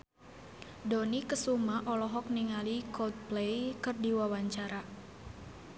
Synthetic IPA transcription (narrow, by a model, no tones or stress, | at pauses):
donikəsumaʔɔlɔɦɔk̚niŋalikɔd̪̚plejkɨrdiwawaɲt͡ʃaɾa